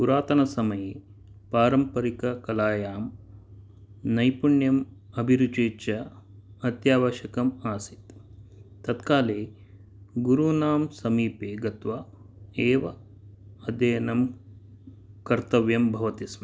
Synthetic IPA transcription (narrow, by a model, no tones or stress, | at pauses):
puɾaːt̪ɐnɐsɐmɐje | paːɾɐmpɐɾikɐkɐlaːjaːm | nɐjpuɳjɐm | ɐbʱiɾut͡ʃeːt͡ʃɐ | ɐt̪jaːʋɐʃɐkɐmaːsit̪ | t̪ːɐt̪kaːleː | ɡuɾunaːmsɐmiːpeːɡɐt̪ʋɐ | eːʋɐ | ɐd̪eːnɐm | kɐɾt̪ɐʋjɐmbʱɐʋɐt̪ismɐ